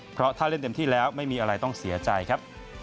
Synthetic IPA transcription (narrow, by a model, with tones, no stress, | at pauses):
pʰɾɔ˦˥t̪ʰaː˥˩le˥˩nt̪e˧mt̪ʰiː˥˩lɛː˦˥wma˥˩jmiː˧ʔa˧ɾa˧jt̪ɔ˥˩ŋsi˩˦ɐt͡ɕa˧jkʰa˦˥p̚